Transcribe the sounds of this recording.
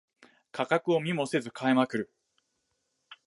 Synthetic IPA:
kʰakakɯo̞mʲimo̞se̞zɨkʰaemakɯ̟ɾɯ̟

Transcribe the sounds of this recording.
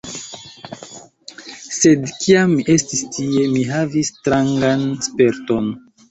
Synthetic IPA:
se̞dkiamiʔe̞stistʰie̞miɦavistɾaŋɡanspe̞ɾto̞n

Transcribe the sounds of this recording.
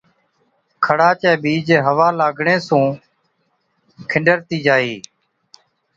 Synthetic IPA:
kʰəɽaːt͡ʃɛ̃ːɓiːd͡ʒeɦəʋaːlaːɡʱɳẽːsũː | kʰɪɳɖəɾt̪iːd͡ʒaːiː

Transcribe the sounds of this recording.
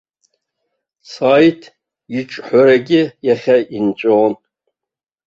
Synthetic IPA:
saːjtʰ | iʈ͡ʂʼħʷaɾaɡʲɪjaχʲaʔint͡ʃʷʼoːn

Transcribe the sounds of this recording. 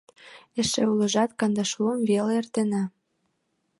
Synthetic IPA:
eʃḛulə̆ʒɑt̪kɑnd̪ɑʃluənveleert̪enɑ

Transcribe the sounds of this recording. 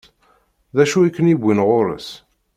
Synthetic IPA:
ðæʃuikːənibʷːinʁoɾə̰s

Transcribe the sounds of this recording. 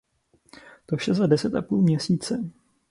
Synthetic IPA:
t̪ofʃɛzadɛsɛt̪ʔapuːlmɲɛsiːt͡sɛ

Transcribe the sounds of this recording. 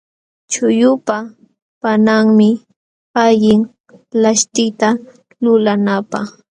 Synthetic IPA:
t͡ʃʊjʊpa | panaŋmɪ | aʎɪŋ | laʃt̪ɪt̪a | lʊlanapaχ

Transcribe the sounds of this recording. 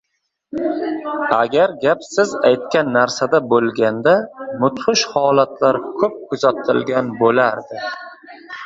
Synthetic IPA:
a̰ɡʲaɾɡʲapsɪzajt̪̚kʲanːaɾsad̪abolˠɡʲand̪amʊt̪χʊʃhɒlat̪laɾkʰɵp̚kʰʊzat̪ʰɪlɡʲanbolaɾd̪ɪ

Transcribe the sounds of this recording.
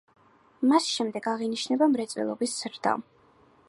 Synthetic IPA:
masʃɛmd̪ɛɡaʁiniʃnɛbamɾɛt̪sʼwɛ̰lˠɔbisz̥ɾd̪̥a̰

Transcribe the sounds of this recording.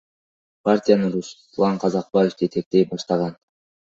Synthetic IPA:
partʲijanɯɾus | lˠɑɴqʰɑzɑq̚baje̞fd͡ʒet̪e̞k̚t̪ejp̚bɑʃt̪ɑʁɑn

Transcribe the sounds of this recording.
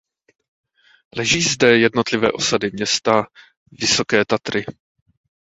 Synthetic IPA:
lɛʒiːzdɛjɛdno̞t̪lɪvɛ̰ːʔo̞sadɪmɲɛst̪a | vɪso̞kɛːt̪at̪ɾɪ

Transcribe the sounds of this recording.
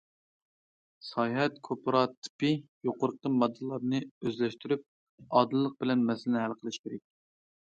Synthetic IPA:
sɑjɦɛt̪kʰopɾɑt̪ːpijoqʰʊɾqʰəmɑd̪ːɨlˠɑɾnɨøzlɛʃt̪yɾyp̚ | ɑːd̪ɨlˠːəq̚bɪlɛnmɛsɪlɪnɪhɦælˠqʰəlˠɨʃkʲʰeɾɛk̚ʲ

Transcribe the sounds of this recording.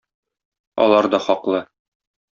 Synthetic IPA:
ɒ̰lˠɑɾd̪ɒχɒqlˠɤ

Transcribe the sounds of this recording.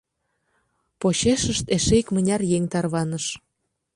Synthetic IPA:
poɕeʃəʃt̪eʃeikmə̆nʲɑrjeŋʲt̪ɑrβɑnəʃ

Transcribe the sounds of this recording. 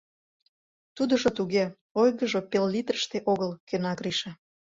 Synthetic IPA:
t̪ud̪əʒot̪uɣe | ojɣəʒopelːit̪rəʃt̪eʔoɣəlkenɑɣɾiʃe

